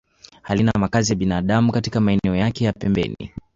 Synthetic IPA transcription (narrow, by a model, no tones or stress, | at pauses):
halinamakazijaɓinaːɗamukatikamaɛnɛɔjakɛjapɛmbɛ̰nḭ